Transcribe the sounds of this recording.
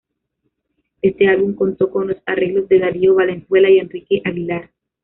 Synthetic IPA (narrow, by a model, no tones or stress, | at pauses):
e̞st̪e̞alβuŋko̞nt̪o̞ko̞nlo̞sare̞ɣlo̞zd̪e̞ðaɾioβale̞nswe̞laie̞nrikeʔaɣilaɾ